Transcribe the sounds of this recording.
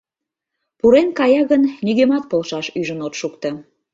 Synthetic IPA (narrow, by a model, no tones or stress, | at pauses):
puɾenkɑjɑɣənniɣemɑt̪̚polʃɑʃyʒənot̪ʃukt̪ɤ